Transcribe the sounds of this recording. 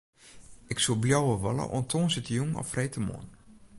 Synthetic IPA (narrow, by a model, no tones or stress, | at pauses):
ɪksulˠbljowəʋɔlˠə̰ʔo̰ntʰoːnsɪtəjuŋɔ̰frejtəmo̰ən